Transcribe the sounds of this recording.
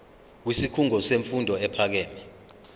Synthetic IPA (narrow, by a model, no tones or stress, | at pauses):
k̬wisikʰuŋɔseɱfundʱɔɛpʰak̬ɛːnɛ